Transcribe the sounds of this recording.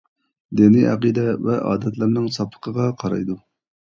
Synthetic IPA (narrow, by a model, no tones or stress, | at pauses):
d̪ɪniʔɑ̰qid̪ɛvɛʔɑ̰ːd̪ɛt̪lɨɾnɨŋsɑpʰːə̥qʰəʁɑqʰɑɾɑ̰jd̪u